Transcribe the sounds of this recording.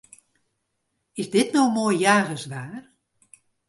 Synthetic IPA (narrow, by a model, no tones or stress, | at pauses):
ɪsdɪtnowmoːjjaːɣəsʋaːr